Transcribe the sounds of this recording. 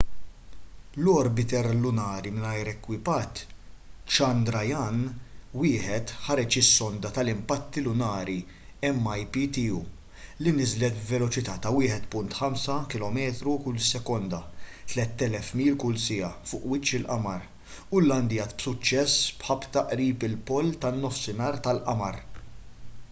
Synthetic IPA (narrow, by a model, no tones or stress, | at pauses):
lɔɾbɪt̪ɛɾlʊnɐːɾimɪnɐjɾɛkːwɪpɐt̪ː | t͡ʃɐnd̪ɾɐjɐnwɪːħɛt̪ħɐɾɛt͡ʃɪsːɔnd̪ɐt̪ɐlɪmpɐt̪ːilʊnɐːɾi | ɛmːɐjpit̪iuː | linɪzlɛt̪bvɛlɔt͡ʃɪt̪ɐːt̪ɐwɪːħɛt̪pʊnt̪ħɐmsɐkɪlɔmɛːt̪ɾukʊlsɛkɔnd̪ɐt̪lɛt̪ːɛlɛfmiːlkʊlsɪjɐfʊːʔwɪt͡ʃːɪlʔɐmɐɾ | ʊlːɐnd̪ijɐːt̪bsʊt͡ʃːɛsbħɐbt̪ɐʔɾiːpɪlpɔlːt̪ɐnːɔfsɪnɐːɾt̪ɐlʔɐmɐɾ